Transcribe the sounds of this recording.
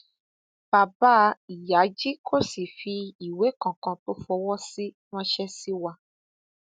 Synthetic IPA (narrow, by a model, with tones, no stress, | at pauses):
b̥a˨ba˦i˨ja˨˦d͡ʒi˦kʰo˦si˨fi˧i˨we˨˦kɔ̃˨kã˧to˦fɔ˧wɔ˦si˦ | w̃ɔ̃˦ʃɛ˦si˦wa˧